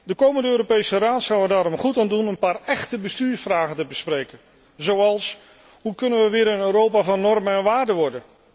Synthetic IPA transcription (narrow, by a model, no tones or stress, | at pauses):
dəkowməndəøːɾopejsəraːtsɑwədaːɾɔmχutaːndunənpaːrɛχtəbəstyːɹfraːχəntəbəsprejkən | zowɑlˠs | ɦukɵnənʋəʋɪːɾənøːrɾowpaːvɑnːɔrmənɛnʋaːɹdəʋɔɹdən